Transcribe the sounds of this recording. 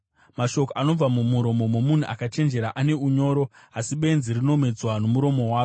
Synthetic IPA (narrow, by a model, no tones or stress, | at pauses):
maʃo̞koano̞b͡vamumuɾo̞mo̞momun̤uʔa̰kat͡ʃe̞nd͡ʒe̞ɾaʔane̞uɲo̞ːɾo̞ | asiɓe̞nzirino̞me̞d͡zwanomuɾo̞mo̞ɦwaːo